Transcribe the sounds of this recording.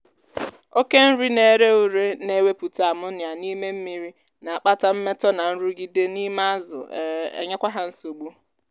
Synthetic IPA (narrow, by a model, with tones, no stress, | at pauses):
o˦ke˦n̩˦ɾi˦ne˨˦ɾe˦u˨ɾe˦ne˨˦we˦pu˨ta˨a˨mʊ˦nja˨ni˦me˦m̩˦mi˨ɾi˦ | na˨a˨k͡pa˦ta˦m̩˦me˦tɔ˦na˨n̩˦ɾu˦ɡi˦de˦ni˦ma˦zʊ̰˨ḛ˨ɲe˦kʷa˦ɦa˦n̩˦so˨ɡ͡bu˦